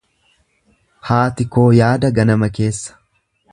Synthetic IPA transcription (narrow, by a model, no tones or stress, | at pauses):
haːt̪ɪko̞ːjaːd̪ɐɡɐnɐmɐke̞ːsːɐ̥